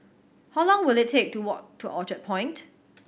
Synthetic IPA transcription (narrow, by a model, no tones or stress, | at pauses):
haʊlɔ̃ŋwɪlɪtʰːek̚tuwɔʔ̚tʰːuʔɔt͡ʃət̚pʰɔ̃ɪ̃nt